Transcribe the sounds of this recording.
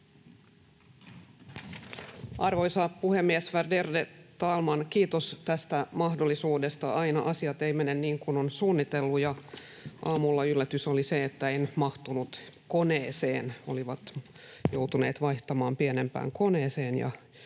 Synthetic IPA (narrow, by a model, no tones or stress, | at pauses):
ʔɑrʋo̞jsɑpuhemːiesʋerderdet̪ɑlmɑnkiːt̪ost̪æst̪æmɑhdolːisuːde̞st̪ɑʔɑinɑʔɑsiɑt̪eimenenniːŋkunonsuːnːit̪elːujɑ | ʔɑːmulːɑylːæt̪yso̞liseet̪ːæenmɑht̪unut̪ko̞neːse̞ːnoliʋɑt̪ | jowt̪une̞ːt̪ʋɑjht̪ɑmɑːmpiene̞mpæ̰ːŋko̞ne̞ːse̞ːnjɑ̰